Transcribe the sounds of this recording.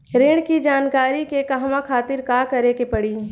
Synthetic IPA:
ɾeːɽ̃kid͡ʒaːnkaːɾikekɐɦmãkʰaːt̪ɪɾkaːkɐɾekepɐɽiː

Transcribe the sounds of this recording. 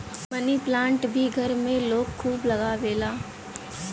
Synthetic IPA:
mɐniplãːɳʈbʱiɡʱɐɾmẽloːk̚kʰːuːblɐɡaʋeːlaː

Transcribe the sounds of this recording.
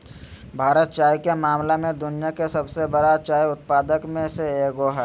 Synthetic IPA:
bʱaːɾət̪̚t͡ʃaːjikemaːmlemẽd̪ʊnijakesɐbsebəɽat͡ʃaːjʊt̪̚paːd̪əkmẽseeːɡoɦɛː

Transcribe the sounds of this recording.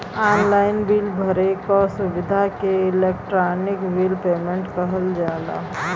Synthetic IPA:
aːnlaːɪnbilbʱəɾekɔsʊʋɪd̪ʱakeɪleːk̚ʈɾaːnɪkʋilpeːmẽɳʈkəɦəld͡ʒaːd̪a̰ɦ

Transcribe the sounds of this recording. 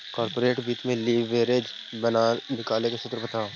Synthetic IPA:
kɔːɾpoːɾeːʈbiːt̪mẽliːʋːeːɾeːd͡ʒ | bɐnaːnɪkaːlekesʊt̪ɾbɐt̪aː

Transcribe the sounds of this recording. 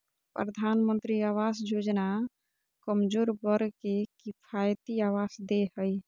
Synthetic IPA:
pɾəd̪ʱanmə̃nt̪ɾiawasjod͡ʒna | kəmd͡ʒoɾbəɾkekipʰajt̪iawasd̪eɦəj

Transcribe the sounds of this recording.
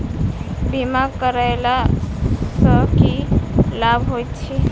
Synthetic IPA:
bimaɡkəɾajla | səkilabʱɦojt̪t͡ʃʰi

